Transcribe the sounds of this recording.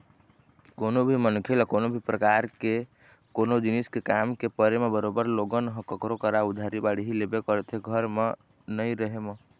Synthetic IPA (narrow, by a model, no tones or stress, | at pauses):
konobʱimənkʰelakonobʱipɾəkaɾke | konod͡ʒiniskekamkepəɾemebəɾobəɾloɡənɦə̃kəkɾokəɾaud̪ʱaɾibaɽiɦilebekəɾt̪ɦeɡʱəɾme | nəjɾəɦeme